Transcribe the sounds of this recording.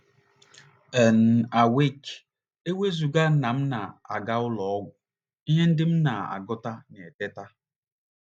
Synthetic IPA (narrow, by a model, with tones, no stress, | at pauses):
ɛ˨n̩˨a˨we˦˨k | e˦we˦zu˨ɡa˦na˨m̩˦na˨a˨ɡa˦ʊ˦lɔ˨ɔ˦ɡʷʊ˨ | i˦ɲe˦n̩˦dɪ˦m̩˦na˨a̰˨ɡʊ˦ta˦ne˨te˦ta˦